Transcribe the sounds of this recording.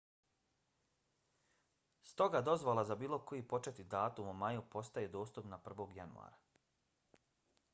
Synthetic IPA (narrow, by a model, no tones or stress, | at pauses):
st̪o̞ɡad̪o̞zʋolˠazabiːlˠo̞ko̞jipo̞t͡ʃet̪id̪aːt̪umumajupo̞st̪aje̞d̪o̞ːst̪upnapr̩ʋo̞ɡja̰nṵa̰ːɾa